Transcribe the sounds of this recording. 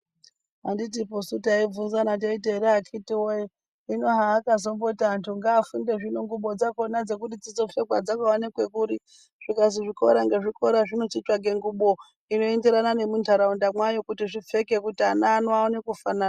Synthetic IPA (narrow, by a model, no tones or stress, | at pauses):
anditiposutaib͡vunzanat̬aiteɾeakʰitiwoi | ino̞ɦaːkazo̞mbo̞tantʰuŋɡaːfunde̞ʐinoŋɡuɓo̞d͡zako̞nad͡ze̞k̬uɗid͡zid͡zo̞fe̞kwa̰d͡zakawanekwe̞kuɾi | ʐ̥ikaziʐiko̞̰ɾaŋɡeʐiko̞ɾaʐino̞t͡ʃit͡ʃaɡʱe̞ŋɡuɓo | ino̞endeɾanane̞mundaɾaundamwajo̞kutiʐip͡fe̞ke̞kutiananwaonekufanaːna